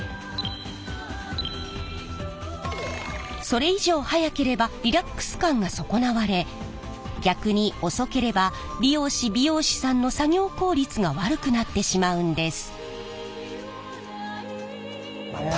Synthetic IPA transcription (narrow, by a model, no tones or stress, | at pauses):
so̞ɾe̞iʑo̞ːhajake̞ɾe̞baɾʲiɾakːɯ̥sɨ̥kãŋɡaso̞ko̞naβaɾe̞ | ɡʲakɯ̟ɲ̟io̞so̞ke̞ɾe̞ba | bʲijo̞ːɕibʲijo̞ːɕi̥sãnːo̞saɡʲo̞ːko̞ːɾʲit͡sɨɡaβaɾɯ̟kɯ̟nat̪ːe̞ɕimaɯ̟̃nd̪e̞sɨ̥